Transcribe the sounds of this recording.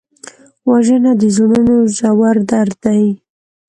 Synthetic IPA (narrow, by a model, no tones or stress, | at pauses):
waʒənad̪əzununoʒawaɾd̪aɾd̪aj